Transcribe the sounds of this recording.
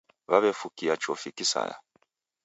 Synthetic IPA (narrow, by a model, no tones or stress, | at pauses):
βaβɛfukijat͡ʃɔfikisa̰ja̰